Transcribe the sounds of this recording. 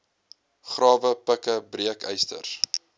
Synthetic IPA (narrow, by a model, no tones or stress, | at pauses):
χrɑːvəpəkəbriəkɛ̰jstə̰r